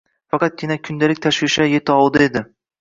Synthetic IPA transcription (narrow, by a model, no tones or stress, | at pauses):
fɑqɑt̪̚kʰʲɪnakʲʰʊnd̪alɪk̚ʲt̪ʰaʃvɪʃaje̞t̪ʰɪɒlˠd̪ae̞d̪ɪ